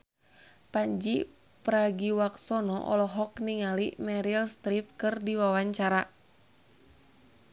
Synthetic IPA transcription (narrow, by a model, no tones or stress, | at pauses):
paɲd͡ʒi | pɾaɡiwaksɔnɔʔɔ̰lɔɦɔkniŋalimɛɾilst̪ɾip̚kɨrdiwawaɲt͡ʃaɾa